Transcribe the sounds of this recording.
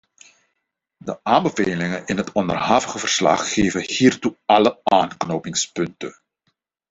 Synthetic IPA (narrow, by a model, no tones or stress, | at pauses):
dəʔaːmbəveːlɪŋənʔɪnɦətɔndərhɑvəɣəvərslɑ̰χːeːvəhiːrtuɑləaːnknoːpɪŋspɵntə̰n